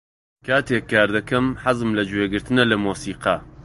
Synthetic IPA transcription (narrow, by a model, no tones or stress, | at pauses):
kʰaːt̪eːkʰːaːɾd̪ɐkɐmħazɨmlɐd͡ʒweːɡɨɾt̪ɨnɐlɐmoːsiːqɐ̰